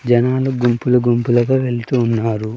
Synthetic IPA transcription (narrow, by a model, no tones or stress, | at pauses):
d͡ʒɐnaːluɡumpulɐɡumpulɐɡaːʋe̞lt̪uːnːaːɾu